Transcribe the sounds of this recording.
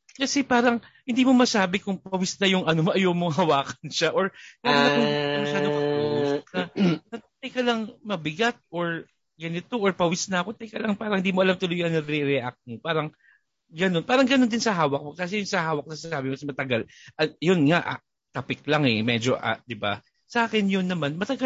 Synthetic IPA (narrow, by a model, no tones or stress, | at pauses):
kɐsɛpaːɾɐŋhɪnd̪iːmo̞mɐsaːbɪkʊŋpɐwɪsnɐjʊŋʔɐnomɐʔɐjoːmoŋɦɐwaːkɐnʃaʔoɹkaaak̪ʊŋɐmɐʃaːdokɐuʔsknɐnɐt̪ɐjkɐlɐŋmɐbɪɡat̪̚ʔoɹ | ɡɐnɪt̪oʔoɹpɐwɪsnɐɐkot̪ɐjkɐlɐŋpaːɾɐŋhɪnd̪iːmoʔɐlamt̪ʊlʊjɐnɐɾɛɾɛʔak̚t̪̚mopaːɾɐŋ | ɡɐno̞npaːɾɐŋɡɐnond̪ɪnsɐɦaːwɐk̚mokas̬ɛjʊŋsɐɦaːwɐk̚nɐsasaːbɪŋkɐsɛmɐt̪ɐɡalʔɐjonŋaʔa̰ | t̪ɐpɪk̚laŋɛmɛd͡ʒoʔa̰d̪ɪba̰ | sɐʔaːkɪnjʊnːɐmanmɐt̪ɐɡa